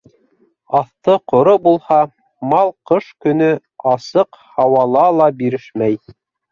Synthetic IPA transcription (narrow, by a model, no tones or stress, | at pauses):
ɑθt̪ɤqŏɾobulˠhɑ | mɑlˠqɤʃkɵ̆nɵ | ɑsɤqhɑwɑlˠɑlˠɑbiɾɘʃmæj